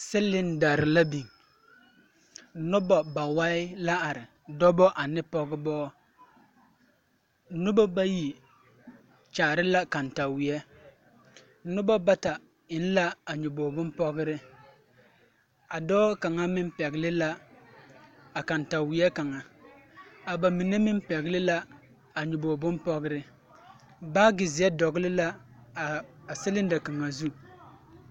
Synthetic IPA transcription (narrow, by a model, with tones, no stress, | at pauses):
sɪ˦lːɪ˦n˨da˨ɾɪ˨la˦bi˨ŋ˦ | nʊ˦bɔ˨ba˨wa˦ɪ˦la˦a˨ɾɪ˨ | dɔ˦bɔ˦ʔa˨nɪ˦pɔ˦ɡɪ˦bɔː˦ | nʊ˦bɔ˦ba˦ji˨ | t͡ʃaː˨ɾɪ˦la˦ka˨nta˨wɪ˨ɛ˦ | nʊ˦bɔ˦ba˦ta˨ | ɪ˨n˦la˦a˨ɲʊ˨boː˨bʊ˦m˦pɔ˦ɡɪ˦ɾɪ˦ | a˨dɔː˦ka˨ŋa˦mɪ˦mpɛ˨ɣɪ˨lɪ˦la˦ | a˨ka˨nta˨wɪ˨ɛ˦ka˨ŋa˨ | a˨ba˨mi˨ne˦mɪ˦m˦pɛ˨ɣɪ˦lɪ˦la˦ | a˨ɲʊ˨boː˨bʊ˦npɔ˦ɣɪ˦ɾɪ˦ | baː˦ɡɪ˨zɪ˨ɛ˦dɔ˨ɡɪ˦lɪ˦la˦˨ | a˨sɪ˦lɪ˦n˦da˨ka˨ŋa˨zu˦